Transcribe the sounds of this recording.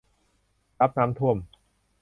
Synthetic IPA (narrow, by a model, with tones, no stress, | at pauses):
sa˦˥p̚naː˧˥mt̪ʰu˥˩əm